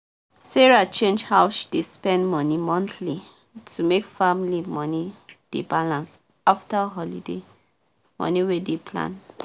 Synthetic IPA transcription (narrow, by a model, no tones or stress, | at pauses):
sɛɹat͡ʃẽnd͡ʒhaʊʃi̥despɛ̃ndmɔnimɔ̃nθli | tʰumekfamlimɔnid̥ebalãns | aftaɦɔlide | mɔ̰niwedepʰlã̰n